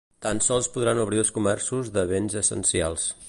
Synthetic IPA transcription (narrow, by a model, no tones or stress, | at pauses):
t̪ansɔlˠspuðɾanuβɾiəlˠskumɛrsuzðəβenzəsə̰nsia̰lˠs